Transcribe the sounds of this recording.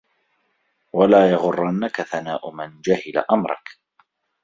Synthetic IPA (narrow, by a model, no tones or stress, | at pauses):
walaːjɑɣʊrˤːɑnːakaθanaːʔʊmand͡ʒahɪla̰ʔamɾˤɑ̰k